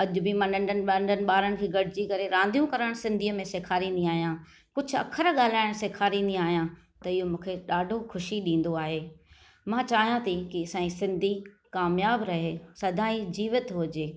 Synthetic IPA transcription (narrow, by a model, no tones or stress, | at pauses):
ɐʄʊ̆bimɐ̃ɳɖəɳɖənɪɓɐɳɖənɪ̆ɓaːɾəɽ̃kʰiːɡɐɽ̤ʱɪd͡ʑikɐɾeɾãːnd̪ʱijũkɐɾəɽ̃sɪ̃nd̪ʱiːəmẽseːkʰaːɾĩːnd̪iaːɦijãː | kʊd͡ʑʱʊ̆ɐ̰kʰəɾɠaːl̤aːɪɽ̃seːkʰaːɾĩːn̆d̪ĩaːɦijã | t̪ɐɪɦomũːkʰeɗaːɖʱoxʊʃiɗĩːn̆d̪oaːɦeː | mãt͡ɕaːɦijãt̪ʰikiɐsãːĩsɪ̃nd̪ʱi | kaːmjaːbɾɐɦesɐd̪ʱaːid͡ʑiːʋɪt̪ɦʊd͡ʑeː